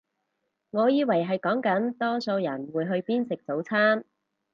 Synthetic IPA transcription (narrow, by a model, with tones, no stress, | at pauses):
ŋɔː˨˧jiː˨˧wɐ˨˩jɦɐ˨jkɔː˨˥ŋkɐ˨˥nt̪ɔː˥so˧wjɐ˨˩nwuː˨˧jɦɵ˧ɥpiː˥nsɪ˨k̚t͡so˨˥wt͡sʰaː˥n